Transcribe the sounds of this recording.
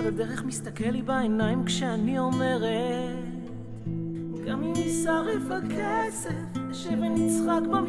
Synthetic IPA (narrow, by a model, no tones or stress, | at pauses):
vad̪eʁeχmist̪akelibaenajimkʃeanio̞me̞ʁe | t | ɡamimisaʁifbakesefʃevenit͡sχakba